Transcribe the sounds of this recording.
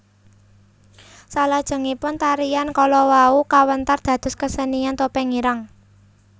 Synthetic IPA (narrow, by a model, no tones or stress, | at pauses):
salad̥ʒ̥ə̤ŋipʊnt̪aɾijankɔlɔwaukawənt̪ard̪̥ä̤d̪̥ʊ̤skəsənijant̪opɛŋiɾaŋ